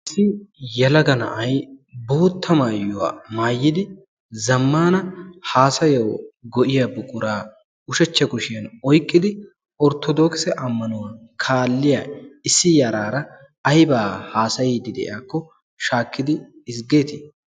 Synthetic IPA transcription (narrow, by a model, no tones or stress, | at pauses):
ʔɪsːɪjɐlɐɡɐnɐ̰ʔɐjbo̞ːt̪ːɐmaːjːʊwa̰ːmaːjːɪd̪ɪ | zɐmːaːnɐhaːsɐjɐwɡɔʔɪjabʊkʼʊɾaː | ʊʃɛt͡ʃːɐkʊʃɪɐnɔjkʼːɪd̪ɪ | ɔɾt̪ːɔd̪ɔːksɛʔɐmːɐnʊwakʰaːlːɪjaːɪsːɪjaːɾaːɾɐ | ɐjbaːhaːsɐjɛd̪ɪd̪ɛ̰ʔɪ̰jaːkːɔ | ʃaːkːɪd̪ɪːs̬ɡeːt̪ɪ